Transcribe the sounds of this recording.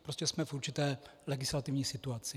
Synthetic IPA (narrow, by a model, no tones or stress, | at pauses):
pɾoscɛsmɛfuɾt͡ʃɪt̪ɛːlɛɡɪslat̪ɪvɲiːsɪt̪uat͡sɪ